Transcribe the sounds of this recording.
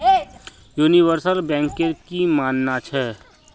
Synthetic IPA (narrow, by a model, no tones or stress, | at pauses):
juːniʋəɾsəlbɛ̃ːŋkeɾkimaːnːat͡ʃʰɛː